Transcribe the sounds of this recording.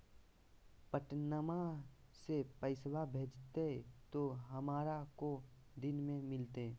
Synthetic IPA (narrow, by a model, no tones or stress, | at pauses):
pəʈnəma | sepəɪswabʱeːd͡ʒt̪et̪oɦɐmaːɾako | d̪ɪnmẽmɪlt̪e